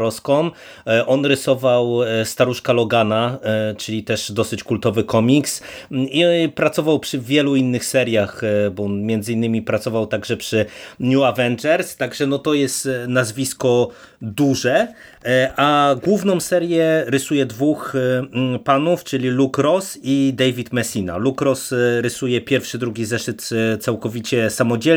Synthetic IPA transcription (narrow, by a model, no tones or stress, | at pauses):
ɔskɔm | ʔɔnɾɘsɔvawst̪aɾuʂkalɔɡanat͡ʂɘlʲit̪ɛʂd̪ɔsɘt͡ɕkult̪ɔvɘkɔmʲiksipɾat̪sɔvawpʂɘvʲjɛluinːɘxsɛɾjaxbɔnmʲjɛnd̪zɘinːɘmʲipɾat̪sɔvawt̪aɡʐɛpʂɘɲjuavɛnd͡ʐɛɾst̪aɡʐɛnɔt̪ɔjɛst̪nazvʲiskɔ | d̪uʐɛ | ʔaɡwuvnɔ̃w̃sɛɾjɛɾɘsujɛd̪vux | panuft͡ʂɘlʲilukɾɔsid̪ɛjvʲit̪mɛsʲina̰lukɾɔsɾɘsujɛpʲjɛɾfʂɘd̪ɾuɡʲizɛʂɘt̪t̪sawkɔvʲit͡ɕɛsamɔd͡ʑɛ